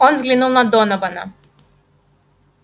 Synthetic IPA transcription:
ɔnzɡlʲinulˠnad̪ɔnɔvana

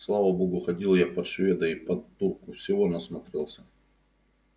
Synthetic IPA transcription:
slˠavɐboɡʊxɐdʲilˠjapɐt̪ʂvʲed̪əipɐd̪urkʊfsʲɪvonɐsmɐt̪ɾʲelˠsʲə

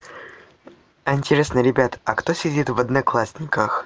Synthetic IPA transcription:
ɐɪnʲtʲɪɾʲesnəɾʲɪbʲat̪ɐkt̪osʲɪdʲit̪vəd̪nɐklˠasʲnʲɪkəx

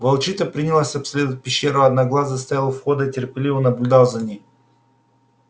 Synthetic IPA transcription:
vɐlˠt͡ʃit̪əpɾʲinʲilˠasʲɐpslʲed̪ət̚ʲpʲɪɕːeɾəɐd̪naɡlˠazəst̪ajalˠəfxod̪əitʲɪrpʲɪlʲivənɐblʲʊd̪alˠzɐnʲij

